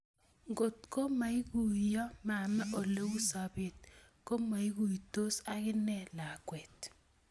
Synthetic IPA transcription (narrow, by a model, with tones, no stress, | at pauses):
ŋɡo˨tko˦ma˨i˦ku˨jɔ˦ma˨mɛ˦ʔo˨le˦u˦sa˨be˨t̚ | ko˦ma˨i˦ɣu˨ito˦sa˦kɪ˦nɛ˦la˨kwɛ˨t